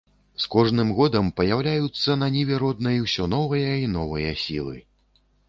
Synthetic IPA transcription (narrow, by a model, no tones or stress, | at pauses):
skɔʐnɨmɣɔd̪ɐmpɐjawlʲajut̪sːɐnɐnʲivʲɛɾɔd̪̚nɐjwsʲɔnɔvɐjɐinɔvɨjɐsʲilˠɨ̰